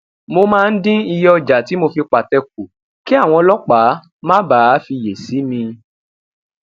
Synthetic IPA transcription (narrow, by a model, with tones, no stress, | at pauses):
mo˧mãː˦˧n̩˦dĩ˦i˧jɔ˧d͡ʒa˨ti˨˦mo˧fi˧k͡pa˨tɛ˧k̚u˨ | ki˦a˦˨w̃ɔ̃˧lɔ˦k͡pa˨˦ | mã˦baː˦fi˧je˨si˨˦mĩ˧